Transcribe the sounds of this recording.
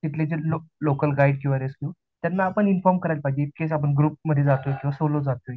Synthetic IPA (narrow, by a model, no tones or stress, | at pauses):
t̪it̪ʰled͡ʑelolokəlɡaiɽkĩwʋaɾeskjuː | t̪janːaːpəɳinfɔɾmkəɾajlpad͡ʑeekkes̬apəɳɡɾuːp̚məd̪ʱːjed͡zat̪ojkĩw̃ʋasolod͡zat̪oj